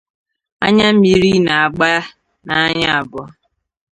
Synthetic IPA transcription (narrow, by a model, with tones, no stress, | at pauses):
a̰˦ɲa˦m̩˦mi˨ɾi˦na˨a˨ɡ͡ba˦ | na˨a˦ɲa˦a˨bɔ˦